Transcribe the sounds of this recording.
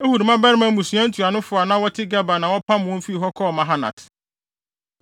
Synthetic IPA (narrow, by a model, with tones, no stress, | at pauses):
e˦hu˨ɾmã˦bɛ˦ɾɪ˦mã˨˦mũ˨su˨ã˦n̩˦tʰu˨a˨nʊ̃˦fʊ˨a˨nã˦wɔ˦tʰɪ˦ɡa˦ba˨nã˨wɔ˦pʰa˦mʊ̃˨˦fi˦i˨ɦɔ˦kʰɔ˦˨mã˨ɦa˦nã̰˨t